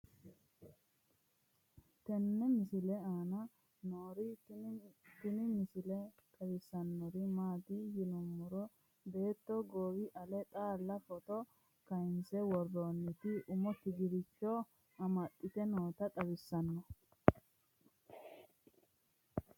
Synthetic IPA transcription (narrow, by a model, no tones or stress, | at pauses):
t̪ɛnːɛmɪsɪlɛaːnɐ | noːɾɪ | t̪ɪnɪmɪsɪlɛ | t̪ʼɐbɪsːɐnːɔɾɪmaːd̪ijɪnʊmːʊɾɔ | be̞ːt̪ːɔɡoːwɪʔɐlɛt̪ʼaːlːɐfɔt̪ɔ | kɐjɪnsɛwɔrːonːɪt̪ɪʔʊmɔt̪ːɪɡɪɾɪt͡ʃːɔ | ɐmɐt̪ʼːɪt̪ɛnoːt̪ɐt̪ʼɐbɪsːɐnːɔ